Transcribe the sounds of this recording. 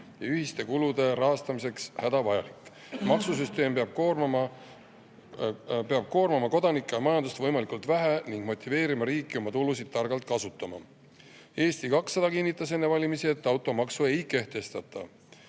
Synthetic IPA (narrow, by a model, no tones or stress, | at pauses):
jɑyɦist̪e̞kulud̪̥e̞ɾɑɦɑst̪ɑmise̞kshæd̪̥ɑvɑjɑ̰likːˑ | mɑksus̬yst̪e̞ːmeɑb̥̚kormɑ | peɑb̥̚ko̞ːrmɑmɑko̞d̪̥ɑnikːˑejɑmɑjɑnd̪ust̪vɤjmɑlikult̪væɦæniŋɡ̥mo̞t̪ʲːˑive̞ːɾimɑɾiːkˑːio̞mɑt̪ulusid̪̚t̪ːɑrɡ̥ɑlt̪̚ˑkɑsut̪ːˑɑmɑ̰ | e̞ːst̪ikɑksːɑd̪̥ɑkinːit̪ˑːɑs̬e̞nːevɑlʲimisie̞t̪ːˑɑwt̪ːˑo̞mɑksue̞jke̞ht̪e̞st̪ɑt̪ːˑɑ̰